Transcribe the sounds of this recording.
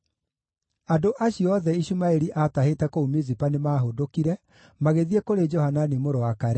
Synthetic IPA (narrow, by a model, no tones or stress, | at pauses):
adoʔaɕiɔðɛiɕumaeɾiʔatahetɛkoumezipanemaɦodokiɾɛ | maɣeðiɛkoɾed͡ʒɔhananimoɾowakaɾɛ